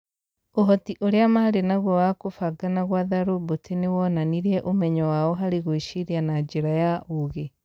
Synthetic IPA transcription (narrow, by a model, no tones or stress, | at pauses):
oɦɔtiʔoɾeamaɾenaɣwɔwakofaɡanaɣwaðaɾobotʰenewɔnaniɾiɛʔomɛɲɔwaɔɦaɾeɣoiʃiɾianad͡ʒeɾajaʔoɣe